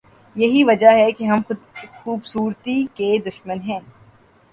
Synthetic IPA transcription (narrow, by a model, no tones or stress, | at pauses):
jɐɦiʋɐd͡ʒaɦɛkeɦɐmʊxuːbsuːɾt̪iked̪ʊʃmənɦɛ̃ː